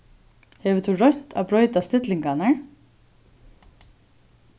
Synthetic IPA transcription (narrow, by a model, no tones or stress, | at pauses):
hɛːʋɪt̪ʰuɹɔɲ̥t̪a̰ːbɾɔʏt̪ast̪ɪt̪lɪŋkanaɹ